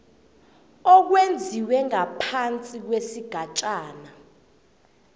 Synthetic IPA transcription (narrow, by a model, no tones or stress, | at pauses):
ɔk̬wend͡zʱiwɛŋapʰant͡sʼik̬wesiɡ̥ʱat͡ʃʼaːna